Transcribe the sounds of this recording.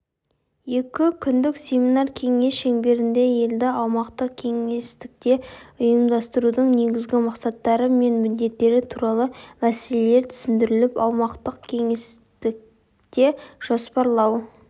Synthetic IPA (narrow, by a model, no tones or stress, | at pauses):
je̞kʲɪkʲʰʏnd̪ɪkse̞minɑrkʲʰe̞ŋe̞sʃeŋbe̞ɾɪnd̪e̞je̞ld̪ɪɑwmɑqt̪əqkʲʰe̞ŋe̞st̪ɪk̚t̪e̞ʊjəmd̪ɑst̪əɾud̪əɴne̞ɡʲɪzɡʲɪmɑqsɑt̪ːɑɾəme̞nmʏd̪e̞t̪ːe̞ɾɪt̪ʰuɾɑlˠəmæselele̞ɾt̪ʰʏ̥sɪnd̪ɪɾɪlɪpɑwmɑqt̪əqkʲʰe̞ŋe̞s | t̪ɪk̚ | t̪e̞ʒ̥ospɑɾlˠɑw